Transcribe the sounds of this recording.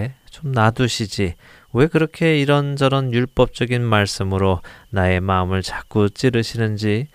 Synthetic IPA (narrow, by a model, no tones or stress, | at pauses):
t͡ɕomnaduɕʰid͡ʑi | we̞kɯɾʌkʰe̞iɾʌnd͡ʑʌɾʌnjuɭp͈ʌp̚t͡ɕ͈ʌɡinmaɭs͈ɯmɯɾonae̞maɯmɯɭt͡ɕḁk͈ut͡ɕ͈iɾɯɕʰinɯnd͡ʑi